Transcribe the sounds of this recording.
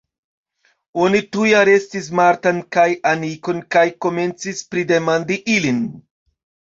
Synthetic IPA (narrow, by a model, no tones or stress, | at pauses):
o̞nitujaɾe̞stis̬maɾtankajamiko̞nkajko̞me̞nt͡sispɾide̞mandiʔilin